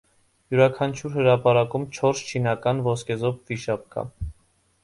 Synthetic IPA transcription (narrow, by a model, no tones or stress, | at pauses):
juɾɑkʰɑnt͡ʃʰuɾɦəɾɑpɑɾɑkumt͡ʃʰɔɾst͡ʃʰinɑkɑnvɔskɛzɔpviʃɑp̚kɑ̰